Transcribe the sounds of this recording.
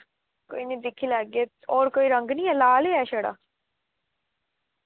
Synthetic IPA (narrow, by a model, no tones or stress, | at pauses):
ko̰ːiːnĩːd̪ɪkʰiːlaːɡe | ɔːɾkoːiːɾəŋɡnĩːɛːlaːleːɛːʃeːɽa̰ː